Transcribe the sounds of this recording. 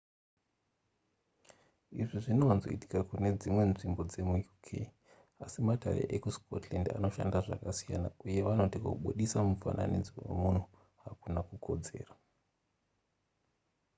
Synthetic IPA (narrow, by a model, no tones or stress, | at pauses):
iʐiʐinoanzo̞̰iti̥kakune̞d͡zimwe̞nʐimbo̞d͡ze̞mujukʰḛi | asimatʰare̞̰ʔekuskʰotlanda̰no̞ʃa̰ndaʐa̰kasijana̰uje̞ʋano̞tiko̰ɓuɗisamufa̰nʔa̰nid͡ziwe̞̰mun̤u | ɦakunakukʰo̞d͡ze̞̰ːra